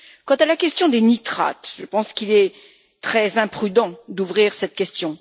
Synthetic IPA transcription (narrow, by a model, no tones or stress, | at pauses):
kɑ̃t̪alakʲɛst̪jɔ̃d̪enit̪χa̰t̪ʒəpɑ̃skilɛ | t̪χɛzɛ̃pχyd̪ɑ̃d̪uvʁiʁsɛt̪̚kʲɛst̪jɔ̃